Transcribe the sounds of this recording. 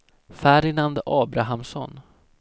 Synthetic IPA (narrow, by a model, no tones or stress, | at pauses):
fæɖɪnand̪ʔɑːbɾaɦamsɔ̰n